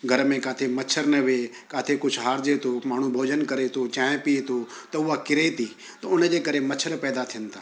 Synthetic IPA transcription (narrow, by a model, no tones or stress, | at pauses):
ɡʱɐɾmẽkaːt̪ʰemɐt͡ʃʰəɾnɐʋe | kaːt̪ʰekʊt͡ʃʰɦaːɾd͡ʑet̪ʰomaːɳ̤ubʱoːd͡ʑənkɐɾet̪ʰot͡ɕãːẽpiet̪ʰo | t̪ɐʊɦakɪɾet̪ʰiː | t̪ɐʊnd͡ʑeːkɐɾemɐt͡ʃʰəɾpɛːd̪at̪ʰijə̃nt̪ʰaː